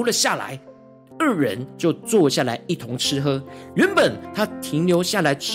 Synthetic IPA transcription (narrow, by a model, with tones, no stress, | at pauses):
u˥lə˨ɕja˥˩la̰˧˦ɪ | ə˞˥˩ɻə̰˧˦nt͡ɕjo˥˧ʊt͡swɔ˥˧ɕja˥˩la̰˧˦ɪi˥˩t̪ʰʊ˧˦˥ŋʈ͡ʂʰɻ̩˥xɤ˥ɥɛ˨˦npə˨˩nt̪ʰa˥t̪ʰi˨˧˥ŋljo˧˥ʊɕja˥˩la˨˧˥ɪʈ͡ʂʰ